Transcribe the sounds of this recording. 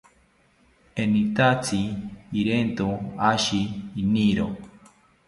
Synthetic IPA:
enit̪at͡siːɾent̪uaʃiːniɾo

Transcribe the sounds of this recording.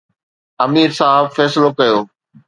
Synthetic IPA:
ɐmiːɾsaːɦbfɛːsɪlokɐjoː

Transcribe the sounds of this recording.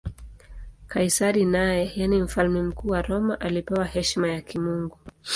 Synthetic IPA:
kajsaɾinajɛjanim̩falmɛm̩kuːwaɾɔmaʔalipɛwahɛʃmajakimuŋɡu

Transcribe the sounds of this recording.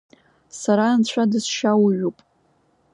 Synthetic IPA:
saɾaːnt͡ɕʷʰadɨsʃawɥupʼ

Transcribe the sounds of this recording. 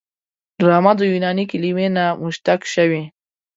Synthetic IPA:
ɾamad̪ojunɑnikɪliwenamʊʃt̪akʃawe

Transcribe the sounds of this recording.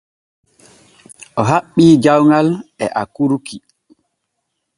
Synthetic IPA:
ʔɔɦaɓːiːd͡ʒawŋalɛʔa̰kuɾukʰi

